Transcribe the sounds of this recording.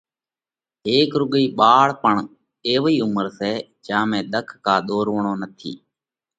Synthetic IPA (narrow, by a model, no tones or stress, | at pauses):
eːkɾʊɠiːɓaːɭpəɳ | eːʋiːʊməɾseːt͡ʃãːmẽːɗ̪əkʰkaːɗ̪oːɾʋɳ̃õːnət̪ʰḭː